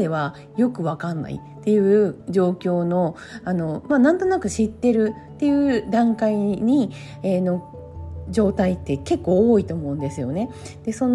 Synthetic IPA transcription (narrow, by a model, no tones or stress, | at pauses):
e̞βa | jo̞kɯ̟βakãnːa̰ḭt̪ːe̞jɯ̟ːd͡ʑo̞ːkʲo̞ːno̞ | ano̞manãnt̪o̞nakɯ̟ɕit̪ːe̞ɾɯ̟t̪ːe̞jɯ̟ːd̪ãŋkaiɲ̟i | eno̞ | d͡ʑo̞ːt̪ait̪ːe̞ke̞kːo̞ːit̪o̞ːmo̞ɯ̟̃nd̪e̞sɨjo̞ne̞ | d̪̥e̞so̞n